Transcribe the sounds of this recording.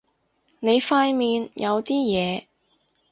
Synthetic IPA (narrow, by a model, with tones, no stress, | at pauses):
ne˨˧jfaː˧jmiː˨˧njʔɐ˨˧wt̪iː˥jɛː˨˧